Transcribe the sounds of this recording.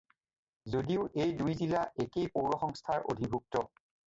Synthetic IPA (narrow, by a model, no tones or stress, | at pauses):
zodiʊʔejdujzilaʔekejpowɹɔxɔŋstʰaɹʔo̰dʱibʱuk̚tɔ